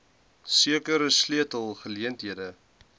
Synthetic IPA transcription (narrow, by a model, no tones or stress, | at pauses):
siəkəɾəsliətəlˠχəliəntɦiədə